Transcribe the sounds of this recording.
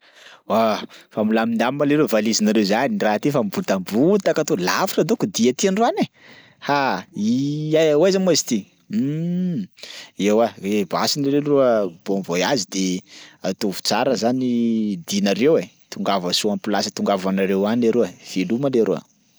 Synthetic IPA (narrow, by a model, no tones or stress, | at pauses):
wafamulamind̪ammaleɾewvalizinaɾewzaniraɦat̪ifambut̪ambut̪akat̪olafiʈ͡ʂad̪okud̪iat̪ianruane | haiajwazanmazi̥t̪i | ewaebasinaɾeruəb̥omvojazid̪eat̪ovu̥t͡saɾəzanid̪inaɾewe | t̪uŋɡavəsuampilasə̥t̪uŋɡavanaɾewanaɾeav̥elumaleɾṵə̰